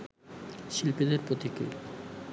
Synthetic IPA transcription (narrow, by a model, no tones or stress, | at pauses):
ʃilpid̪eɾpɾot̪ikɾḭl